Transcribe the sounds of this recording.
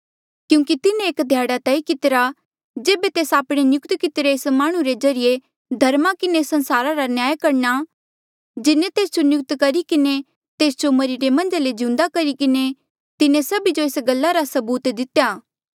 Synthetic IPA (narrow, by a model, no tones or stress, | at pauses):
kjũːŋkit̪ɪnẽeːkd̪ʱjaːɽat̪ɛːikɪt̪ɪɾa | d͡ʒeːbet̪eːsaːpɽ̃enjʊkt̪kɪt̪ɾeːsmaːɽ̃ũɾed͡ʒɐɾije | d̪ʱɐɾmakɪnesɐ̃nsaːɾaɾanjaːjkɐɾna | d͡ʒɪnẽt̪eːsd͡ʒonjʊk̚t̪kɐɾikɪne | t̪eːsd͡ʒomɐɾiɾemɐ̃nd͡ʒaled͡ʒɪ̃ʊ̃nd̪akɐɾikɪne | t̪ɪnẽsɐbid͡ʒoeːsɡɐlːaɾasɐbuːt̪d̪ɪt̪ejaː